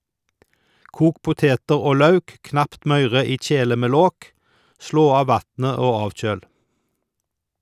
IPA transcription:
ˈkuːk ˈpʊteːtəʁ ˈoː ˈlɑʉk ˈknɑpt ˈmœʏʁə ˈiː ˈc͡çeːlə ˈmeː ˈloːk ˈsloː ˈɑː ˈʋɑtnə ˈoː ˈɑːʋˌc͡çøːl

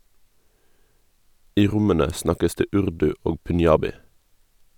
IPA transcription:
ˈiː ˈʁʊmənə ˈsnɑkəs ˈdeː ˈʉʁdʉ ˈoː pʉnˈjɑːbɪ

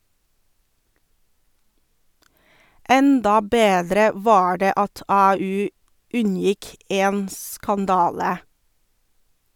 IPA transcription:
ˈɛndɑ ˈbeːdɾə ˈʋɑː ˈɖeː ˈɑt ˈɑːˌʉː ˈʉnˌjɪk ˈeːn skɑnˈdɑːlə

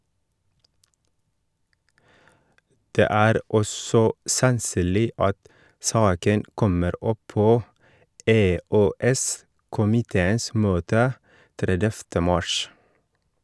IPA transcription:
ˈdeː ˈæːɾ ˈɔsɔ sɑnˈsyːlɪ ˈɑt ˈsɑːkən ˈkɔməɾ ˈɔˌpoː eːøːˈɛs kʊmɪˈteːəns ˈmøːtə ˈtɾɛdɛftə ˈmɑʃ

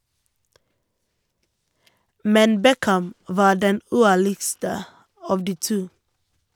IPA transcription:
ˈmɛn ˈbɛkæm ˈʋɑː ˈɖɛn ˈʉːˌæɭɪɡstə ˈɑːʋ ˈdiː ˈtuː

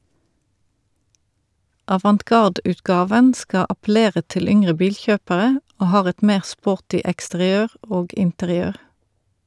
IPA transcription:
ʔɑʋɑntˈkɑʁdʉːtˌkɑːʋən ˈskɑ ɑpl̩ˈeːʁə ˈtɪl ˈʏŋʁə ˈbiːlˌçøːpəʁə ˈʔoː ˈhɑːʁ ˈɛt ˈmeːʁ ˈspoːʁtɪ ɛkstəʁɪˈøːʁ ˈoːɡ ɪntəʁɪˈøːʁ

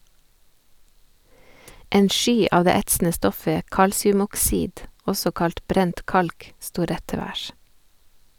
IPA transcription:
ˈeːn ˈʃyː ˈɑːʋ ˈdeː ˈɛtsn̩ə ˈstɔfə ˈkɑlsɪʉmɔkˌsiːd ˈɔsɔ ˈkɑlt ˈbɾɛnt ˈkɑlk ˈstuː ˈɾɛt ˈtɛ ˈʋæːʃ

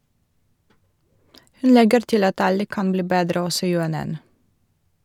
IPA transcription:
ˈhʉn ˈlɛɡəɾ ˈtɪl ˈɑt ˈɑlə ˈkɑn ˈbliː ˈbeːdɾə ˈɔsɔ ˌjʉɛˈnɛn

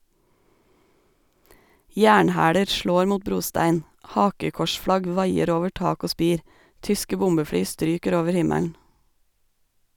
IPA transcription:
ˈjæːɳˌhæːɽə ˈʃloːɾ ˈmuːt ˈbɾuːˌstæɪn ˈhɑːkəkɔʃˌfɽɑɡ ˈʋɑɪəɾ ˈoːʋə ˈʈɑːk ˈoː ˈspiːɾ ˈtʏskə ˈbʊmbəˌfɽyː ˈstɾyːkəɾ ˈoːʋəɾ ˈhɪmæln̩

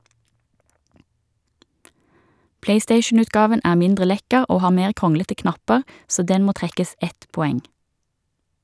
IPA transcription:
ˈpleɪˌsteɪʃn̩ʉtˌɡɑːʋən ˈæː ˈmɪndʁə ˈlɛkəʁ ˈoː ˈhɑː ˈmeːʁ ˈkʁʊŋlətə ˈknɑpəʁ ˈsoː ˈdɛn ˈmoː ˈtʁɛkəs ˈɛt pɔˈɛŋ

